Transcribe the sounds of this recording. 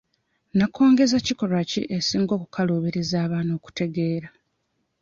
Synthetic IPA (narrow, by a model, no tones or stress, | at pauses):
nakʰo̞ːŋɡe̞zaciko̞ɾwacḭʔesiːŋɡo̞ːkukʰaloːβiɾezaːβaːno̞ːku̥te̞ɡe̞ːɾa